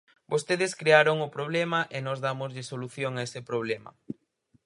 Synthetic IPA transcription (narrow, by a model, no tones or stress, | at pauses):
bost̪eðɪskɾeaɾoŋʊpɾoβ̞lemɐʔenɔzðamʊzʎɪsoluθjoŋaesɪpɾoβ̞lemɐ̰